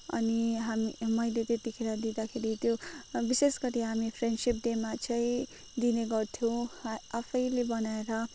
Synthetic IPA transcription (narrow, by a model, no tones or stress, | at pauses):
ʌ̰niɦamimʌjlet̪et̪ikʰeɾʌd̪id̪akʰeɾit̪jobisesɡʌɾiɦamipʰreɳɖsip̚ɖemat͡sʌĩ | d̪ineɡʌrt̪ʰjõw̃apʰʌjlebʌnaeɾʌ